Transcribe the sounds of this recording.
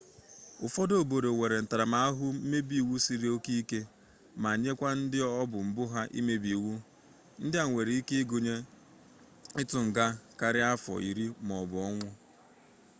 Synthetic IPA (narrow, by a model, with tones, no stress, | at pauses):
ʊ˨fɔ˦do˨bo˨ɾe˨ŋʷe˨ɾe˨n̩˨ta˨ɾa˨ma˨a˦ɦʊ˦m̩˦me˦bi˨wu˦si˦ɾi˦o˦ki˦i˦ke˦ | ma˨ɲe˦kʷa˦n̩˦dɪ˦ɔ˦bʊ˨m̩˨bʊ˦ɦa˦ʔḭ˦me˦bi˨wu˦ | n̩˦dɪ˦a˨ŋʷe˨ɾi˨i˦ke˦ɡo˨ɲe˦ | ɪ˦tʊ˨ŋ̩˨ɡa˦ka˨ɾɪ˦a˦fɔ̰˨ʔi˨ɾi˦mɔ˨bʊ˨ɔ˦ŋʷʊ˦